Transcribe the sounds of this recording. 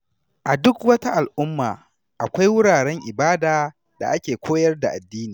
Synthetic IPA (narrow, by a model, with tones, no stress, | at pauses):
ʔa˨dʊ˦kwɐ˦ta˦ʔa˨lʔʊ˦mːaː˨ | ʔa˨kʷa˦jwʊ˦ɽaː˨ɽɛ˦ŋʔɪ˨baː˦daː˨ | da̰˨ʔa˦kʲeː˨kʷoː˦jɐ˦rda˨ʔa˨dːiː˦niː˨